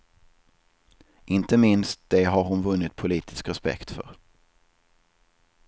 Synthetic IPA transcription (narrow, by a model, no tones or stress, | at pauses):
ʔɪnt̪əmɪnst̪̚d̪̥ɛɦaɾhʊnvɵnːɪt̪̚pʰʊliːt̪ʰɪskɾɛspɛ̰kt̪fœ̰ɾ